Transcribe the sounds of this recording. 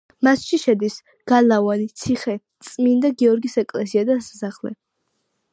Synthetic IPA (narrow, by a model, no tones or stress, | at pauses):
masʃiʃɛd̪is | ɡ̥alavanit̪sʰiχɛt̪sʼmind̪aɡiɔɾɡisɛkʼlɛsiad̪assaχlɛ̰